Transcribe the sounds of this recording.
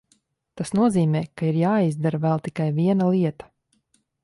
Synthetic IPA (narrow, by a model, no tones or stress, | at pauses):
t̪asnuɔziːmɛːkaiɾjaːizd̪aɾvɛlˠt̪ikajviɛnalˠiɛt̪ḁ